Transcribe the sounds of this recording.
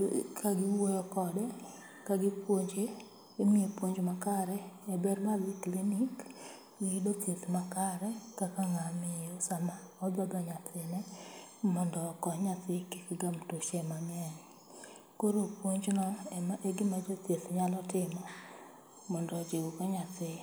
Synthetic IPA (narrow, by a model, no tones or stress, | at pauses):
kaɡɪwojɔkɔdɛ | kaɡɪpwoɲd͡ʒe | emiepwoɲd͡ʒmakaɾɛɛbɛrmalɪklinik | iɡɪdot̪jet̪makaɾɛkakaŋamɪosamaɔd̪ɔd̪aɲat̪ɪnɛmɔndɔkɔɲat̪ɪkɪ̥kɪɡamtoʃemamɪanɪ | koɾopwoɲd͡ʒnɔɛmaʔeɡɪmad͡ʒot̪jetɲalɔtɪmɔ | mɔndɔd͡ʒeɡokɔɲat̪ɪ